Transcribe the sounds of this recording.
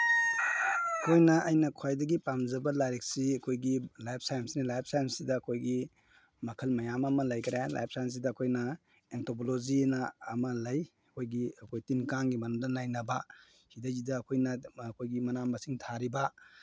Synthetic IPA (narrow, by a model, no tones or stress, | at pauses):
ɐkʰojnɐʔɐjnɐkʰwajdɐɡipamzɐbɐlaɾek̚siɐkʰojɡilajp̚ʰsajmsinilajp̚ʰsajmsidɐːkʰojɡi | mɐkʰɐlmɐjamɐmɐlɐjkʰɾajla̰jp̚sajms̬idɐːkʰojnɐ | entop̬olod͡ʒinɐːmɐlɐj | ɐkʰojɡiɐkʰojtinkaŋɡimɐnɐmdɐnajnɐbɐ | hidɐzidɐːkʰojnɐkʰojɡimɐnamɐsiŋtʰaɾibɐ